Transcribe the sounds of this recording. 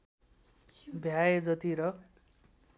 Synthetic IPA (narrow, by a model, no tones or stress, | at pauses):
bʱjaed͡zʌt̪iɾʌ